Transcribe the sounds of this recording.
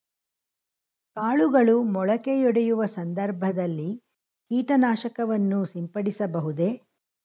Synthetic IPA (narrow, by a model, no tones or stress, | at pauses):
kaːɭuɡɐɭumɔɭɐkejɔɽɛjuʋɐsɐnd̪ɐɾbʱɐd̪ɐlːi | kiːʈɐnaːʃɐkɐʋɐnːusimpɐɽisɐbɐɦud̪e̞